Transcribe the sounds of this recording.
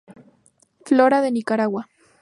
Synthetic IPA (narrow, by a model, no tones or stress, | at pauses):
floɾaðenikaɾawa